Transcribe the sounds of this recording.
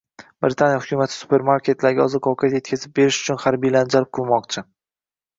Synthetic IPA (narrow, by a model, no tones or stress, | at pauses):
bɾɪt̪ʰanjahʊkʲʊmat̪ʰɪ̥sʊ̥pʰe̞ɾmaɾkʲe̞t̪laɾɡʲaɒ̰zɨkʰɒwkʰjat̪je̞t̪̚ʲkʰʲazɪp̚be̞ɾɪʃʊ̥t͡ʃʰʊnχaɾbijland͡ʒalɪp̚qʰɨlˠmɒqt͡ʃʰɪ